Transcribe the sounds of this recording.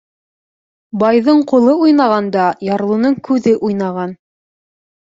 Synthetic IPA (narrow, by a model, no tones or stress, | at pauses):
bɑjðɤɴqulˠɤujnɑʁɑnd̪ɑjɑɾlˠunɤɴkʉðɘʔujnɑʁɑn